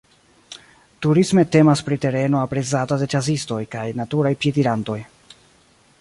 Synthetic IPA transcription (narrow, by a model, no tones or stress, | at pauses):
tuɾisme̞te̞maspɾite̞ɾe̞noapɾe̞t͡satade̞t͡ʃazisto̞jkajnatuɾajpjediɾanto̞j